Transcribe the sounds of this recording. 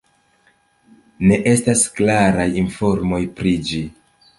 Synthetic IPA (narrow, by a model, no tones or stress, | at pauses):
ne̞ʔe̞stasklaɾajinfo̞ɾmo̞jpɾid͡ʒi